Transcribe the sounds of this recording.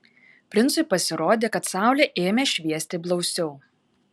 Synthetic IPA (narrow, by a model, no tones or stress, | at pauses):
pʲɾʲɪnt̪sʊɪpɐsʲɪɾoːd̪ʲeːkɐt̪sɑˑʊlʲeːʔeːmʲeːʃʲʋʲiɛsʲt̪ʲeblˠɒʊsʲɛʊ